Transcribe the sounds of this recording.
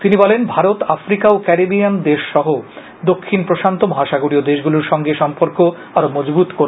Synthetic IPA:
t̪inibɔlenbʱaɾot̪afɾikaokɛɾebiand̪eʃːɔɦo | d̪okʰːinpɾoʃant̪omɔɦaʃaɡoɾiod̪eʃɡuluɾʃɔŋɡeʃɔmpoɾko | aɾomɔd͡ʑbut̪koɾ

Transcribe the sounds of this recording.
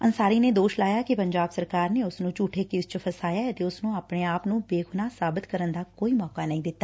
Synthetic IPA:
ənsaːɾiːneːd̪oːʃlaːjaːkɪpəɲd͡ʒaːbsəɾkaːɾneːʊsnũːt͡ʃuːʈʰeːkɪst͡ʃpʰəsaːjaːət̪eːʊsnũːaːpneːaːpnũːbeːɡʰʊnaːsaːbɪt̪kəɾənd̪aːkoːiːmɔːkaːnəɦĩːd̪ɪt̪ːaː

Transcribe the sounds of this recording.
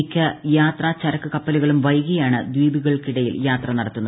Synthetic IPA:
kʲːɐjaːt̪rɐt͡ɕɐɾɐkːɨkɐpːɐliɣɐɭumʋɐjɣɐjaːɳɨd̪wiːbiɣɐɭkiɽɐjiljaːt̪rɐnɐɽɐt̪ːunːɐð

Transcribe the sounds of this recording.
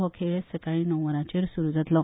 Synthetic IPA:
ɦɔkʰeɭesəkaɭĩnɔ̃ʋəɾãt͡ɕeɾsuɾud͡zat̪lɔ

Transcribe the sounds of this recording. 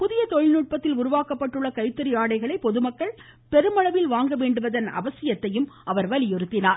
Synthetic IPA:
pʊðɪjɐt̪ɔɻɪnuːʈ̚pɐt̪ːɪlʊɾʊʋaːkɐpːɐʈːɯɭːɐkɐɪt̪ːɐɾɪjaːɽɐɪɣɐɭɐɪpɔðɯmɐkːɐɭ | pɛɾɯmɐɭɐʋɪlʋaːŋɡɐʋeːɳɖɯʋɐðɐnɐ̰ʋɐsɪjɐt̪ːɐjɯmɐʋɐɾʋɐlɪjɔɾɯt̪ːɪnaːɾ

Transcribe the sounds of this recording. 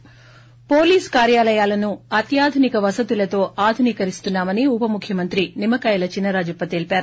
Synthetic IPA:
po̞ːliːskaːɾjaːlɐjaːlɐnuɐt̪jaːd̪ʱunikɐʋɐsɐt̪ulɐt̪o̞ːʔaːd̪ʱuniːkɐɾist̪unːaːmɐniupɐmukʰjɐmɐnt̪ɾinimɐkɐːjɐlɐt͡ʃinːɐɾaːd͡ʒɐpːɐt̪e̞ːlipaːɾu

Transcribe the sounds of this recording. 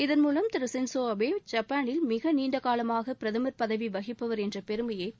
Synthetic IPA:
ɪðɐnmuːlɐmt̪ɪɾɯsɪnsoːɐbeːd͡ʒɐpːaːnɪlmɪɣɐniːɳɖɐɣaːlɐmaːɣɐpɪɾɐðɐmɐɾpɐðɐʋiʋɐɣɪpːɐʋɐɾɛndrɐpɛɾɯmɐjeː

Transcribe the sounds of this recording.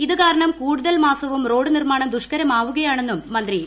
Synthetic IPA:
iðɨkaːɾɐɳɐmkuːɽuðɐlmaːsɐʋumro̞ːɽɨnirmaːɳɐmd̪uʂkɐɾɐmaːʋuɣɐjaːɳe̞nːumːɐnd̪ri

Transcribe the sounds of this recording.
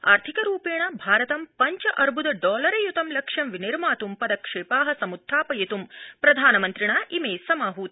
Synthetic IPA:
a̰ːɾt̪ʰikɐɾuːpeːɳɐbʱaːɾɐt̪ɐmpɐɲt͡ʃɐʔɐɾbʱud̪ɐɖɔːlɐɾɐjut̪ɐmlɐkʂɐmʋiniɾmaːt̪umpɐd̪ɐkʂeːpaːɦɐsɐmud̪ʱːaːpɐjɐt̪umpɾɐd̪ʱaːnɐmɐnt̪ɾiɳaːʔimeːsɐmaːɦuːt̪

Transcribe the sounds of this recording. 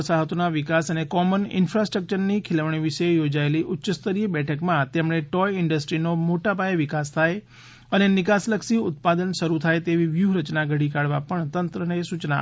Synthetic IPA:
əsaɦət̪onaʋɪkasənekɔmənɪ̰nfɾasʈɾək̚t͡ʃəɾnikʰɪləʋɳ̃iʋɪʃejod͡ʒaeliʔʊtːʃəst̪əɾiəbɛʈʰəkmãt̪emɳ̃eʈɔjɪɳɖəsʈɾinomoʈapajəʋɪkast̪ʰaj | ənenɪkasləkʃiʊt̪̚pad̪ənʃəɾut̪ʰaet̪eʋiʋjuɾət͡ʃnaɡʱəɽikaɽʋapəɳt̪ənt̪ɾənesut͡ʃna̰

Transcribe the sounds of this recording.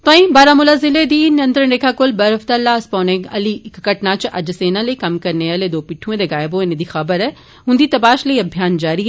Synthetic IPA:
t̪ãːĩbaːɾaːmʊlazɪled̪iːnɐ̃nt̪ɾənɾekʰakolbɐɾɦɐft̪alaːspɐ̃ːnẽɡɐ̰likkɐʈnaːt͡ʃʔɐ̰d͡ʒɐseːnaleikɐmkɐɾneaːled̪oːpiʈʰũẽd̪eɡaːjboːened̪ixɐbəɾɛ | ɦʊ̃nd̪iːt̪ɐpaːʃleiɐbʱjaːnd͡ʒaːɾiɦɛ

